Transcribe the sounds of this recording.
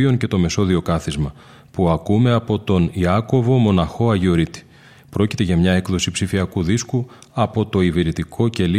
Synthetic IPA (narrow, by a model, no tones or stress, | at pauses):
io̞nce̞t̪o̞me̞so̞ðio̞kɐθizmɐ | puɐkume̞ɐpo̞t̪o̞niɐko̞vo̞mo̞nɐxo̞ɐʝio̞ɾit̪i̥ | pɾo̞cit̪e̞ʝɐmɲɐe̞kðo̞sipsifiɐkuðisku | ɐpo̞t̪o̞iviɾit̪ikʰo̞ce̞li